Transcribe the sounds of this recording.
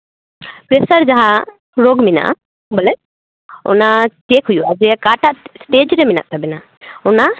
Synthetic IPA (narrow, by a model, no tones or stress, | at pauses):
pɾesəɾd͡ʒaɦa | ɾoɡmina̰ʔ | bɐlɛ | ɔ̰nat͡ʃekɦujuad͡ʒɛakaʈaʔsʈeːd͡ʒɾemina̰ʔt̪abɛna | ɔna